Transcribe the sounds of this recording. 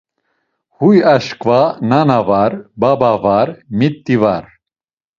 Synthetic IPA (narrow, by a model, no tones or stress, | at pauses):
hujaʃkvananavaɾbabavaɾmit̪ːivaɾ